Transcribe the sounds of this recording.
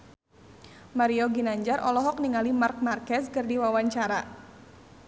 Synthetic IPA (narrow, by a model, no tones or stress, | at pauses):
maɾiɔɡinaɲd͡ʒarʔɔlɔɦɔk̚niŋalimark̚markɛskɨrdiwawaɲt͡ʃaɾa